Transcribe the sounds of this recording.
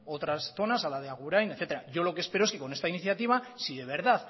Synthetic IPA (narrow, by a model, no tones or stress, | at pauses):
o̞t̪ɾasθo̞nasalað̞eaɣuɾajneθe̞t̪eɾaʝo̞lo̞kespe̞ɾoeske̞ko̞ne̞st̪ainiθjat̪iβ̞asiðeβ̞e̞ɾðað